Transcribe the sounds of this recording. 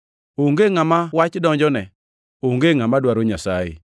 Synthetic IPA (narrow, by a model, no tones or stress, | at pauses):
oŋɡeŋamawat͡ʃdɔɲd͡ʒɔnɛ | oŋɡeŋamadwaɾoɲasaḛ